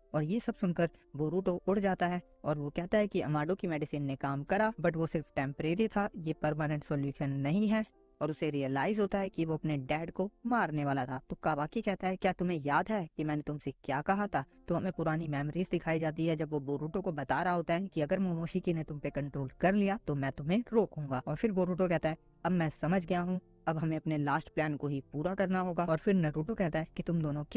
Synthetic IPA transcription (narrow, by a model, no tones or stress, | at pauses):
ɔːɾjesɐbsʊnkəɾboːɾuːʈoʔʊɽd͡ʒaːt̪aɦɛː | ɔːɾʋokɛɦt̪aɦɛkiɐmaːɖõkimɛːɖɪsiːnːekaːmkɐɾabɐʈʋosɪɾfʈɛ̃ːmpɾeːɾit̪ʰajepɐɾmaːnə̃ɳʈsɔːljuːʃənːɐɦĩɦɛ | ɔːɾʊseɾiəlaːɪzɦoːt̪aɦɛkiʋoɐpneɖɛːɖkomaːɾneʋaːlat̪ʰaːt̪okaːʋaːkekɛɦt̪aɦɛkjaːt̪ʊmẽjaːd̪ɦɛkimɛ̃ːnet̪ʊmsekjaːkɐɦat̪ʰaːt̪oɦɐmẽpʊɾaːnimɛːmɾiːzd̪ɪkʰaːid͡ʒaːt̪̬iɦɛd͡ʒɐbʋoboːɾuːʈõkobɐt̪aːɾaɦoːt̪aɦɛ̃kiɐɡəɾmoːmoːʃikinet̪ʊ̃mpekɐ̃ɳʈɾoːlkɐɾlijat̪omɛ̃ːt̪ʊmɦẽɾoːkɦõːŋɡaːɔːɾfʰɪɾboːɾuːʈokɛɦt̪aɦɛ | ɐbmɛ̃sɐməd͡ʒʱɡɐjaɦũ | ɐbɦɐmẽɐpnelaːsʈplɛːnkoɦipuːɾakɐɾnaɦoːɡaːɔːɾfɪɾnɐɾuːʈokɛɦt̪aɦɛkit̪ʊmd̪oːnõk